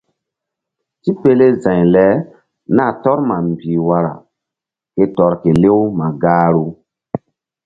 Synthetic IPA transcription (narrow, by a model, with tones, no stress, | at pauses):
ti˦pe˦le˦zã˨jlɛ˨˦ | na˦˨tɔ˦ɾma˨m˨bi˨wa˦ɾa̰˨ | ke˦tɔ˨ɾke˨le˦wma˨ɡaː˦ɾu˦